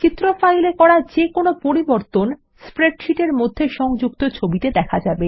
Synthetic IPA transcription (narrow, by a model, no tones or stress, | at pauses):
t͡ɕit̪ːɾofajlekɔɾad͡ʑekonopoɾiboɾt̪on | spɾeɖʃiʈeɾmod̪ʱːeʃɔŋd͡ʑuk̚t̪ot͡ɕʰobit̪ed̪ɛkʰad͡ʑabe